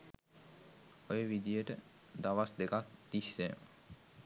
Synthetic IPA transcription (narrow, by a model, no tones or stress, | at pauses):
ojəʋid̪ijəʈə | d̪aʋasd̪ekak̚d̪̥iʃːe